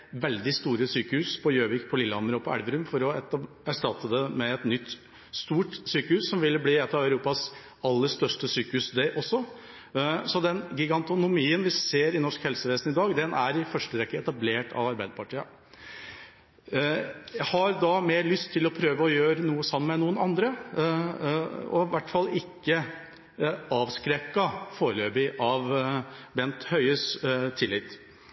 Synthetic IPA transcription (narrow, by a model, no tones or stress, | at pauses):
ʋɛld̪ɪst̪uːɾəsyːkəhʉːspʰɔjøːʋɪk̚pʰɔlɪlːəhɑməɾɔpʰɔæ̰lʋəɾʉmfɔɾɔɛ | æʂʈɑt̪ːəd̪ɛmɛɛt̪nʏt̪ː | st̪uːʈsyːkəhʉːsːɔmʋɪlːəbliːɛt̪ːɑʋœʉɾuːpɑs | ɑlːəʂt̪œʂʈəsyːkəhʉːsd̪ɛʔɔsːɔ | sɔd̪ɛnɡʏɡɑnt̪ʊnʊmiːənʋɪseːɾɪnɔʂkhɛlsəʋeːsn̩ɪd̪ɑːɡd̪ɛnʔæɾɪfœʂʈəɾɛkːəɛt̪ɑbleːʈʰɑ̰ʋɑɾbæɪd̪əpʰɑʈʰiːɑ | jæhɑɾd̪ɑmeːɾɭʏst̪ʰːɪlɔpʰɾøːʋəɔjøːɾənuːəsɑmːəmɛnuːənɑnd̪ɾə | ɔ̰ʋæʈːfɑlːɪkːə | ɑːʋskɾɛkːɑfoːɾəløːbɪʔɑʋbɛnt̪hœʏəst̪ʰːɪlːɪt̪ː